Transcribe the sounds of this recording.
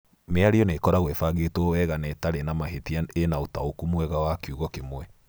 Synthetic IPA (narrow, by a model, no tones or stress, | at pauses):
meaɾeɔnekɔɾaɣwefaɣetwɔwɛɣanɛtaɾenamaɦetiaenaotaokumwɛɣawakeuɣɔkemwɛ